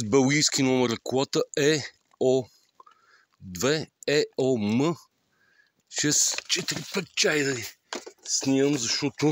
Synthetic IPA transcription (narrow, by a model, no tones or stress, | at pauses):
zbɛlˠɡijskʲinɔmɛɾklat̪əɛ | ɔ | d̪vɛɛɔmə | ʃɛst͡ʃɛt̪iɾipɛt̪̚t͡ʃajdi | snʲiəmzɐʃɔt̪ʊ